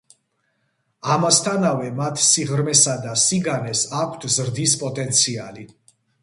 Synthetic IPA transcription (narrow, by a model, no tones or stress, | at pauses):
amast̪ʰanavɛmat̪ʰsiʁɾmɛsad̪asiɡanɛsakʷʰt̪ʰzɾd̪ispʼɔt̪ʼɛnt̪sʰiali